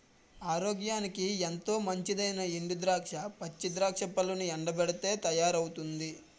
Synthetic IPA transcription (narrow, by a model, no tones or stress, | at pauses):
aːɾoːɡjaːnikient̪o̞ːmɐɲt͡ʃid̪ɐjnɐeɳɖud̪ɾaːkʂɐpɐt͡ʃːid̪ɾaːkʂɐpɐluniɛɳɖɐbɛɽit̪e̞ːt̪ɐjaːɾɐwut̪und̪i